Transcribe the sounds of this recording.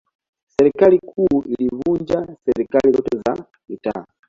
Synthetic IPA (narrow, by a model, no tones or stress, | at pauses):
sɛɾikalikʰuːʔilivund͡ʒasɛɾikalizɔ̰tɛza | mita̰